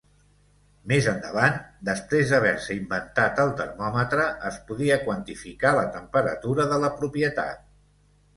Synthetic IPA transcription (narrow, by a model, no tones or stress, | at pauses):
mezənd̪əβ̞and̪əspɾezðəβ̞ɛɾsəimbənt̪at̪əlˠt̪ə̰rmɔmət̪ɾəʔːspuðiəkwənt̪ifikalət̪əmpəɾə̰t̪uɾəðələpɾupjət̪a̰t̪̚